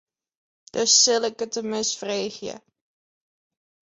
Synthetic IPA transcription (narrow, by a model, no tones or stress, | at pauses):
d̥əsːɪləkətəmɪsfreːχjə̰